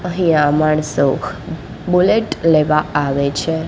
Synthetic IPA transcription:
əɦĩamaɳso | buleʈleʋãaʋet͡ʃʰe

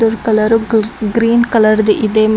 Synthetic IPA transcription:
d̪uɾkɐlɐɾuɡɾiːnkɐlɐɾd̪iʔid̪eːm

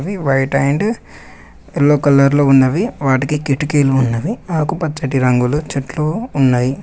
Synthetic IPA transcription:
ʋiʋɐjʈɐjɳɖ | elːoːkɐlːɐɾloːunːɐʋiʋaːʈikikiʈukeːluːnːɐʋiaːkupɐt͡ʃːɐʈiɾɐŋɡulut͡ʃɐʈloːunːaːji

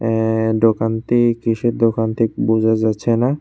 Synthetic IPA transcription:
ɖ̪okant̪ikɾiʃeɾd̪okant̪ʰekbud͡ʑʱad͡ʑatːɕʰena

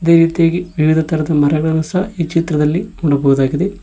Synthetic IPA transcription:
id̪e̞ːɾiːt̪ijaːɡiʋiʋid̪ʱɐt̪ɐɾɐd̪ɐmɐɾɐɡɐɭɐnɐsɐɦɐiːt͡ʃit̪ɾɐd̪ɐlːimuɽɐbɐʋud̪aːɡid̪e

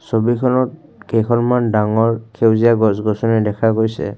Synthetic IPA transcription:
sobikʰɔlɔt̚kekʰɔnmandaŋɔɹkʰewzijaɡɔsɡɔsɔnɛdɛkʰakoɹjsɛ̰

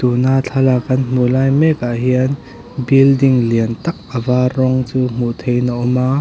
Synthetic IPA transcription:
t̪unat͡ɬʰɐlakʰɐnm̥ulaːjmɛkaʔɦiən | bildiŋliənt̪ɐk̚ʔəvaːrɔŋt͡suːm̥ut̪ʰejnaʔɔmaː

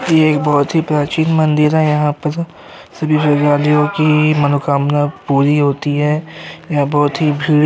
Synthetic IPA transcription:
jeːk̚bɔːt̪ɦipɾaːt͡ʃiːnmɐ̃nd̪ɪɾɦɛjɐɦãpɐɾ | sɐbʱipɐɡaːlijõkimɐnokaːmnapuːɾiɦoːt̪iɦɛjaãbɔːt̪ɦibʱiːɽ

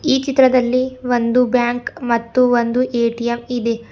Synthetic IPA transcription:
iːt͡ʃit̪ːɾɐd̪ɐlːiʋond̪ubjaːŋkmɐt̪ːuʋond̪uʔeːʈijɐmid̪e

